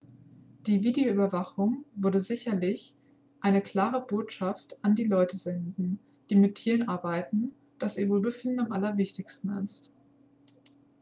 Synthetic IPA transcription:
d̥iːviːdeoʔyːbɐvaχʊŋvʊɐdəzɪçɐlɪç | ʔaɪnəkl̥aːʁ̞əboːtʃaftandiːlɔʏtəzɛndn̩ | d̥iːmɪtʰːiːʁənʔaɐbaɪtn̩ | d̥asziːɐvoːlbəfɪndn̩amʔalɐvɪçtɪçstn̩ɪ̰st

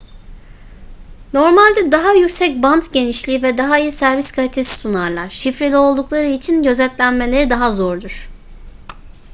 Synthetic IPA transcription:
no̞ɾmalʲd̪ɛd̪aɦajycsɛcbant̪ɟe̞niʃlʲiːvɛd̪aɦaijisæɾviskʰalʲit̪ʰe̞si̥sunaɾlˠaɾ̥ʃifɾelʲio̞lˠd̪uklˠaɾɯit͡ʃʰinɟø̞zɛt̪lʲænme̞lʲe̞ɾid̪aɦazo̞ɾd̪uɾ̥

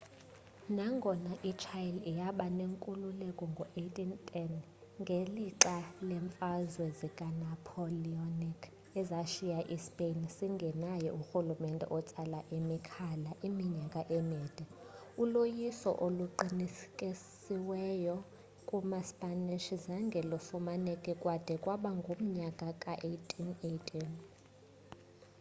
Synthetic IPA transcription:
naŋɡʱɔnaʔit͡ʃʰajlijaɓaneŋkʼululɛkʼɔŋɡʱɔʔetʼintʼɛn | ŋɡʱeliǁalɛɱfazwɛzikʼanapʰolionikʰ | ɛzaʃijaʔispʼensiŋɡʱɛnajɛuxulumɛntʼɛ̰ʔɔt͡sʼalaʔimikʰalaʔimiɲakʼaʔɛmiːd̥ʱɛ | ulojisɔ̰ʔoluǃinikʼi | iwɛjɔ | kʼumaspʼaniʃizaŋɡʱɛlɔfumanɛkʼɛkʼwad̥ʱɛkʼwaɓaŋɡʱom̩ɲakʼakʼaʔetʼʰinejtʰʼin

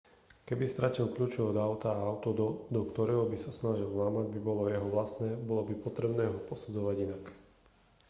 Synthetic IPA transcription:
kɛbist̪ɾacilkʎuːt͡ʃɔʋɛɔd̪aʊt̪aːaʊt̪ɔd̪ɔd̪ɔkt̪ɔɾɛːɦɔbisasnaʒilˠnaːmaɟbibɔlɔjɛɦɔʋlast̪nɛːbɔlɔbipɔt̪ɾɛbnɛːɦɔpɔsud͡zɔʋaɟinak

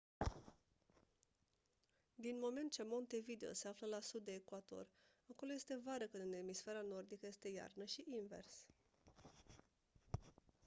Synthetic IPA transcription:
d̪inmo̞me̞nt̪̚t͡ʃe̞mo̞nt̪e̞vid̪eo̞̰se̞afləlasud̪̚ːe̞ːkwat̪o̞̰r | ako̞loje̞st̪e̞vaɾəkɨnd̪ɨnemisfe̞ɾano̞rd̪ikəje̞st̪e̞ja̰rnəʃiʔinve̞̰rs

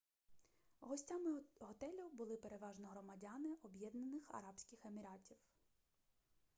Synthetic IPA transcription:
ɦɔsʲtʲamɪɦɔt̪ɛlʲʊbʊlˠɪpe̞ɾe̞ʋɑʒnɔɦɾɔmɐdʲɑnɪʔɔbjɛd̪nɐnɪxɐ̰ɾɑpsʲkʲɪxe̞mʲiɾɑtʲiw

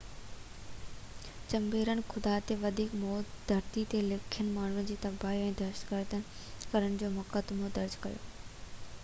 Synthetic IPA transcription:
t͡ɕɐmbeːɾənɪ̆xʊd̪at̪eʋɐd̪ʱiːkmɔːd̪ʱɐɾt̪it̪elɪkʰijənɪ̆maːɳɦʊɽn̆d͡ʑiːt̪ɐbaːiɛ̃ːd̪ɐʃt̪ɡəɾt̪ən | kɐɾənɪ̆d͡ʑoːmʊkəd̪mod̪ɐɾd͡ʑkɐ̰jo̰ː

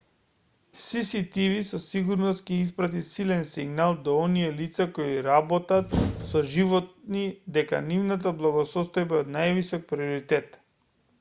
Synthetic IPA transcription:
fsisit̪ivisɔsiɡuɾnɔst̪̚cɛis̬pɾat̪isilɛnsiɡnalˠd̪ɔɔnijɛlit̪sakoiɾabɔt̪at̪sɔʒivɔt̪̚nid̪ɛka̰nivnat̪̬ablˠaɡɔsɔst̪ɔjbaɔd̪najvisɔk̚pɾiɔɾit̪ɛt̪

